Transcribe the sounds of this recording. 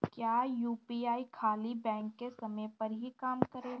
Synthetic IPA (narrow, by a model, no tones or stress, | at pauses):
kjaːjuːpiːaːikʰaːlibɛ̃ːŋkːesɐməpɐɾɦikaːmkəɾeː